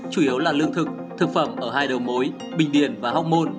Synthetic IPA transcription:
t͡ɕu˧˩ʔi˨˦əwlaː˨˩lɨ˧əŋt̪ʰɨ˨˩k̚ | t̪ʰɨ˨˩k̚fə˧˩mʔəː˧˩haː˧jɗə˨˩wmo˨˦j | ɓï˨˩ŋ̟ɗi˧˩ənvaː˨˩ha˦˥k͡p̚mo˧n

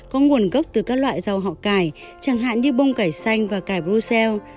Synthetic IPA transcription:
kɔ˨˦ŋu˨˩ənɣə˦˥k͡p̚t̪ɨ˨˩kaː˦˥k̚lwa̰ː˧˨jza˨˩wɦɔ̰˧˨kaː˧˩j | t͡ɕaː˧˩ŋɦa̰ː˧˨nɗi˧ɓə˧wŋ͡mkaː˧˩jsa˧jŋ̟vaː˨˩kaː˧˩jɓɾu˧sɛ˧w

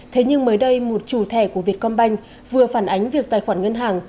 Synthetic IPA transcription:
t̪ʰe˨˦ɲɨ˧ŋməː˨˦jɗə˧jmo˨˩t̚t͡ɕu˧˩t̪ʰɛ˧˩ku˧˩vi˨˩ət̚kɔ˧nɓa˧jŋ̟ | vɨ˨˩əfaː˧˩nʔa˨˦jŋ̟vi˨˩ək̚t̪aː˨˩jxwaː˧˩nŋə˧nɦaː˨˩ŋ

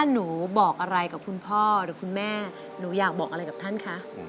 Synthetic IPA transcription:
t̪ʰa˥˩nuː˩˦bɔː˨˩k̚ʔa˧ɾa˧jka˨˩p̚kʰu˧npʰɔː˥˩ɾɯː˨˩˦kʰu˧nmɛː˥˩ | nuː˩˦jaː˨˩k̚bɔː˨˩k̚a˧ɾa˧jka˨˩pt̪ʰa˥˩nkʰa˦˥ʔ

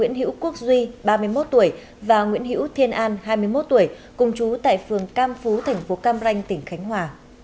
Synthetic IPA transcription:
ḭ˧˥ənhḭ˧˥wku˦˥ək̚zwi˧ɓaː˧mɨ˧əjmo˦˥t̚t̪u˧˩əj | vaː˨˩ŋwḭ˧˥ənɦḭ˧˥wt̪ʰi˧ənʔaː˧nɦaː˧jmɨ˧əjmo˦˥t̚t̪u˧˩əj | kʊ˨˩ŋ͡mt͡ɕu˨˦t̪a̰ː˧˨jfɨ˨˩əŋkaː˧mfu˨˦t̪ʰɛ˨˩jŋ̟fo˨˦kaː˧mza˧jŋ̟t̪ï˧˩ŋ̟xa˨˦jŋ̟ɦwaː˨˩

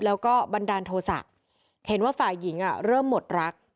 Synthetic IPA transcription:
lɛː˦˥wkɔː˥˩ba˧ndaː˧nt̪ʰoː˧sa̰˨˩ʔ̚ | he˩˦nwaː˥˩faː˨˩jːi˩˦ŋʔa˨˩ɾɤː˥˩mːo˨˩t̪̚ɾa˦˥k̚

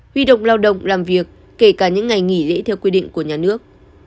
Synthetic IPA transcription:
hwi˧ɗə̰˧˨wŋ͡mlaː˧wɗə̰˧˨wŋ͡mlaː˨˩mvi˨˩əkːe˧˩kaː˧˩ɲɨ̰˧˥ŋŋa˨˩jŋi˧˩lḛ˧˥t̪ʰɛ˧wkwi˧ɗḭ˧˨ŋ̟ku˧˩əɲaː˨˩nɨ˦˥ək̚

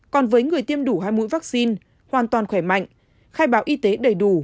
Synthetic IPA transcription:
kɔ˨˩nvəː˨˦jŋɨ˨˩əjt̪i˧əmɗu˧˩ɦaː˧jmṵ˧˥jvaː˦˥k̚si˧n | hwaː˨˩nt̪waː˨˩nxwɛ˧˩ma̰˧˨jŋ̟ | xaː˧jɓaː˨˦wʔi˧t̪e˨˦ɗə˨˩jɗu˧˩

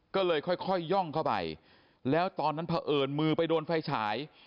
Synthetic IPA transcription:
kɔː˥˩lɤː˧jkʰɔ˥˩jkʰɔ˥˩jːɔ˥˩ŋkʰa˥˩wpa̰˨˩j | lɛː˦˥wt̪ɔː˧nːa˦˥npʰa˧ʔɤː˨˩nmɯː˧pa˧jdoː˧nfa˧jt͡ɕʰaː˩˦j

